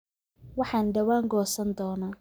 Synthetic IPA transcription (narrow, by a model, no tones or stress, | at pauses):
wɑħɑːnd̪ɐwaːŋɡɔːsɐnd̪ɔːnaː